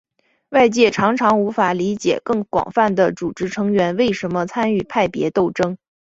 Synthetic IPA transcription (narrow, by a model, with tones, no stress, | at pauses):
wa˥˧ɪt͡ɕjɛ˥˩ʈ͡ʂʰɑ˧˥ŋʈ͡ʂʰɑ˧˥ŋu˧˥fa˨˩li˧˥t͡ɕjɛ̰˨˩kɤ˥˩ŋkwɑ̰˨˩ŋfa˥˩nd̪ə˩t͡su˨˩ʈ͡ʂɻ̩˧˥ʈ͡ʂʰɤ˧˥ŋɥɛ˧˥nwe˥˩ɪʂə˧˥nmə˧t͡sʰa˥ny˥˩pʰa˥˩ɪpjɛ̰˧˥t̪o˥˩ʊʈ͡ʂɤ˥ŋ